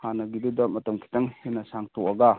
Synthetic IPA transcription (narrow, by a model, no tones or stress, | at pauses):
hanaɡidudɐmɐtɐmkʰi̥tɐŋhinɐsaŋtuʔɐɡa